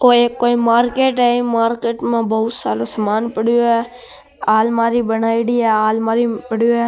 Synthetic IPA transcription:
oːeːkːoːĩːmaːɾkeːʈɦɛːĩmaːɾkeːʈmãːbəʊt̪saːloːsəmaːnpəɽɪjoːɛː | aːlmaːɾiːbənaːiɽiːɛːaːlmaːɾipəɽjoːɛː

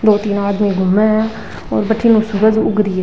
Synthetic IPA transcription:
d̪oːt̪iːnaːd̪mĩːɡʱʊmẽɛ | o̰ːɾbəʈʰiːnũːsʊɡəd͡ʒʊ̰ɡɾiːɛː

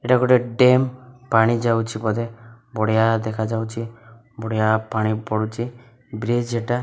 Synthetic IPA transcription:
eʈaɡɔʈeɖempaɽ̃id͡ʒawt͡ʃʰipɔd̪e | bɔɽjad̪ɛkʰad͡ʒawt͡ʃʰi | bɔɽɛjapaɽ̃ipɔɽut͡ʃʰi | bɾed͡ʒeʈa

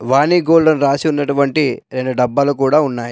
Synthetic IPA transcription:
ʋaːniːɡoːllɐnɾaːsiunːɐʈuʋɐɳʈiɾe̞ɳɖuɖɐbːɐlukuːɽaːunːaːji

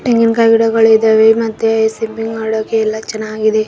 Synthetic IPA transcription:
ʈiŋɡinkɐjɡiɽɐɡɐɭid̪ɐʋemɐt̪ːeɐjsimpiŋɡaːɽoːkːeːlːɐt͡ʃɐnːaːɡid̪e

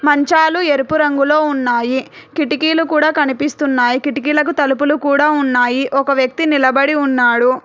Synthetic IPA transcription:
mɐɲt͡ʃaːlueɾupuɾɐŋɡulo̞ːunːaːji | kiʈikiːlukuːɽaːkɐnipist̪unːaːjikiʈikiːlɐk̬ut̪ɐlupulukuːɽaːunːaːjiʔɔkɐʋjɐk̚t̪inilɐbɐɽiunːaːɽu

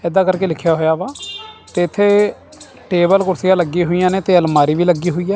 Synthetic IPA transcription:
ɛd̪aːkəɾkeːlɪkʰːjaːɦoːjaːʋaːt̪eːɪt̪ʰːeː | ʈeːbəlkʊɾsɪjãːləɡiːɦoːijãːneːt̪eːəlmaːɾiːʋiːləɡiːɦoːiːjaː

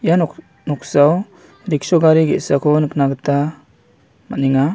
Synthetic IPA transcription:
janɔ | nɔksaw | ɾik̚sɔɡaɾiɡḛsakʰɔnɯk̚naɡɯta | maniŋa

